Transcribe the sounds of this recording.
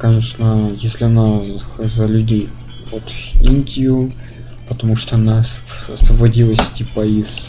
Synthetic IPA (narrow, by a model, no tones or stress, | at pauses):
kɐnʲeʂnəjesʲlʲɪɐnazəlʲʉdʲej | vot̪inʲdʲɪjʊ | pət̪ɐmuʂt̪oɐnas | ɐsvəbɐdʲilˠəsʲtʲipɐis